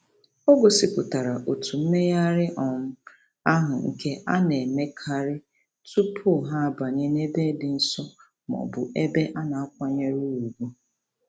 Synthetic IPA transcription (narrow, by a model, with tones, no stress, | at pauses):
ɔ˦ɡo˨si˨kʷʊ˨ta˨ɾa˨ʔo˨tu˨m̩˦me˦ja˦ɾɪ˦ʔɔ˨m̩˦ | a˦ɦʊ˨ŋ̩˦ke˦ʔa˦ne˨me˦kʰa˦ɾɪ˦ | tu˦pʰu˦ɦa˦˨ba˨ɲe˦ne˦be˦dɪ˨n̩˦sɔ˦ | mɔ̰˨bʊ˨e˦be˦ʔa˦na˨a˦kʷa˦ɲe˦ɾu˦u˨ɡʷu˦